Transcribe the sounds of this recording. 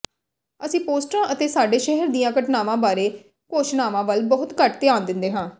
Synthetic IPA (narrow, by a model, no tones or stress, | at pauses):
əsĩːpoːsʈɾãːʔət̪eːsaːɖeːʃɛɦəɾd̪ijãːkəʈnaːʋãːbaːɾeː | koːʃnaːʋãːʋəlbəɦʊt̪kəʈt̪ɪjaːnd̪ɪnd̪eːɦãː